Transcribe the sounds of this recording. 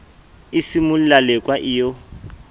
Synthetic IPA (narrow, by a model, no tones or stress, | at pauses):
isimʊlalɛkʼwaʔɪjo